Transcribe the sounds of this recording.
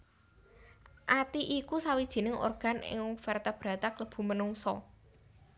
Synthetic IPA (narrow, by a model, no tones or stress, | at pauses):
ʔat̪iʔikusawid̥ʒ̥i̤nɪŋo̰rɡ̥a̤nɪ̰ŋufɛrt̪ab̥ɾä̤t̪akləb̥ṳmənuŋsɔ̰